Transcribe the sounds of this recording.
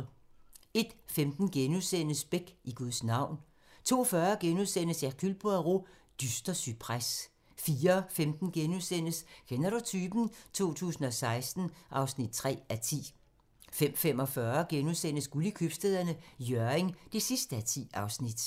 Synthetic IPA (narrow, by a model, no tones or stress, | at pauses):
e̝d̥femd̥n̩ɡ̥enuðˠsen̰əsb̥eɡ̥ʔiɡ̥uðˠsnɑ̈ʊ̰n | t͡sʰo̝̰ːɒfɶːɐɡ̥enuðˠsen̰əsækʰylb̥oɐʁo̝ | d̥ysd̥ɐsy̥pʰʁas | fiːɐfemd̥n̩ɡ̥enuðˠsen̰əskʰenɐɾut͡sʰyːb̥n̩t͡sʰo̝̰ːt͡sʰṵːsn̩ɒ̽sɑ̈ɪsd̥n̩ʔɑ̈ʊsnid̥̚t͡sʰʁɛ̰ːæt͡sʰḭː | fem̰fem̰ɒ̽fɶːɐɡ̥enuðˠsen̰əsɡ̥ulikʰyb̥sd̥eðˠɐnəjøɐeŋd̥e̝sisd̥əæt͡sʰḭːɑ̈ʊsnid̥